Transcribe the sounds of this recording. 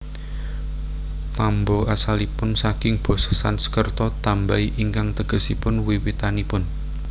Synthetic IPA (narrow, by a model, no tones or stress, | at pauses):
t̪ambɔʔasalipʊnsakɪŋb̥ɔ̤sɔ̥sansə̥kərt̪ɔt̪ambaiʔiŋkaŋt̪əɡ̥ə̤sipʊnwiwit̪anipʊn